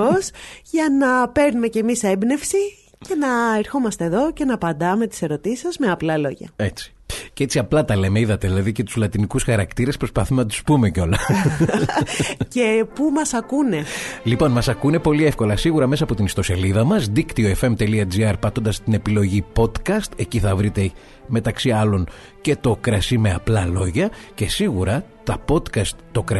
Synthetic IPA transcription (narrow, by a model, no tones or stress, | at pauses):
osʝɐnɐpe̞ɾnume̞ce̞misebne̞fsi | ce̞nɐeɾxo̞mɐst̪e̞ːðo̞ce̞nɐpɐnd̪ɐme̞t̪i̥se̞ɾo̞t̪isi̥sɐzme̞ɐplɐlo̞ʝɐ̰e̞t͡si̥ | cee̞t͡siɐplɐt̪ɐle̞meiðɐt̪eðilɐðicet̪u̥zlɐt̪inikusxɐɾɐkt̪iɾe̞spɾo̞spɐθumenɐt̪u̥spume̞co̞lɐ | ce̞pumɐsɐkunelipo̞nmɐsɐkune̞po̞lie̞fko̞lɐsiɣuɾɐme̞sɐpo̞t̪inist̪o̞sɐliðɐmɐzd̪ikt̪ioe̞fe̞mt̪e̞liɐd͡ziɐɾpɐt̪o̞nd̪ɐst̪ine̞pilo̞ʝipo̞t̪kɐst̪e̞ciθɐvɾit̪e̞ | me̞t̪ɐksiɐlo̞n | ce̞t̪o̞kɾɐsime̞ɐplɐlo̞ʝɐce̞siɣuɾɐt̪ɐpo̞t̪kɐst̪ːo̞kɾɐ